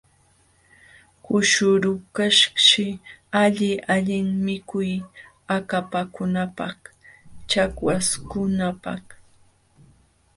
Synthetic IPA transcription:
kʊʃʊɾʊkaʃʃɪaʎɪʔaʎɪŋmɪkʊj | akapakʊnapɑχ | t͡ʃakwaskʊnapɑ̰χ

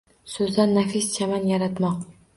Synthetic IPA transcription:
sɵzd̪anːafɪst͡ʃʰamanjaɾat̪mɒq

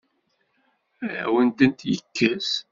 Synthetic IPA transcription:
æɾæ̰wənt̪ənt̪jə̰kːæs

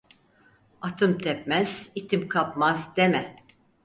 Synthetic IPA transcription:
at̪ʰɯmt̪ʰɛpmæz̥it̪ʰimkʰapmazd̪emɛ

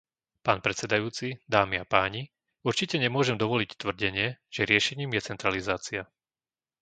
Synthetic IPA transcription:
paːnpɾɛt͡sɛd̪ajuːt͡sid̪aːmiapaːɲi | uɾt͡ʃicɛɲɛmʊɔʒɛmd̪ɔʋɔlict̪ʋr̩ɟɛɲɪɛʒ̥ɛɾɪɛʃɛɲiːmjɛt͡sɛnt̪ɾalizaːt͡sia

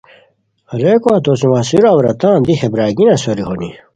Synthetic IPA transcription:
ɐɾekoat̪osĩmasiɾawɾɐt̪ãːnd̪ihebɾaːɡinɐsoɾiɦonḭ

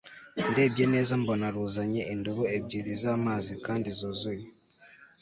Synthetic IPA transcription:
nde̞ːbjeneːzambonaɾuzaɲeendoβoeb̚ɟiːɾizaːmaːzikaːndizozoji

